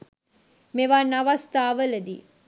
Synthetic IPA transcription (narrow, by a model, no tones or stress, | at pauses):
meʋaːnaʋast̪aːʋələd̪ḭ